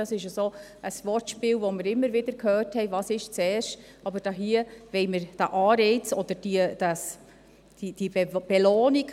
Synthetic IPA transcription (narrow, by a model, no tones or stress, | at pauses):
ɑsɪʃəsoː | əsʋɔrtʃpɪːlvoməɾɪmːəɾʋɪdəɾkʰhœːrthɛɪvɑːsɪʃt͡sɛːrʃt | ɑbəɾd̥ɑːɦiəʋɛɪməɾd̥ɑʔɑːɾɛɪt͡sɔd̪̥əɾd̥iəd̥ɑs | d̥id̥ib̥ɛloːnik